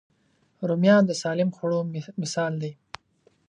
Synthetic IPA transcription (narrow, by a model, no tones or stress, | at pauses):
ɾumjɑːnd̪əsɑːlɪmxuɽomɪsɑːld̪aj